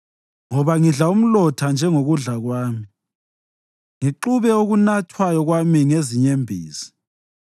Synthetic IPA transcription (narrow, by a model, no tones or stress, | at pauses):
ŋɔβaŋiɮaum̩lɔtʰand͡ʒʱɛŋoɣuɮaɣwaːmi | ŋiǃuβɛoɣunatʰwajɔɣwamiŋeziɲembʱḭːsi̥